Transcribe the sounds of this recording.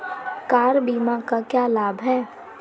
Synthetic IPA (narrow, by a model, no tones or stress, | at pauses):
kaːɾbiːmakakjaːlaːbʱɦɛː